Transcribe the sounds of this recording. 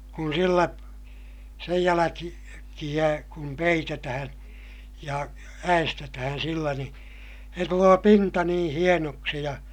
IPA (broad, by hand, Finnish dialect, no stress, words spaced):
kun silːæ sej jælæki kij̆æ kum peitetæhæ̃ː jɑ æestetæhæn̞ silːæ ni se tuloː pintɑ nĩː hienoksi jɑ